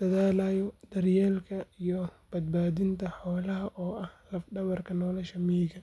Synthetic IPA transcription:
d̪̥ɐðaːlaːjɔd̪ɐrjɛːlkʰɐijɔb̥ɐd̪̚baːðɪnt̪ʰɐħɔːlɐɦɐʔɔːʔɐhlɐfɖɐβɐrkʰɐnɔːlɛʃɐmiːɣɐ

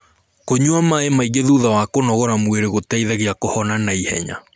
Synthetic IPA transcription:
koɲuamaemaiɣeðuðawakonɔɣɔɾamweɾeɣotaiðaɣeakohɔnanaihɛ̰ɲa̰

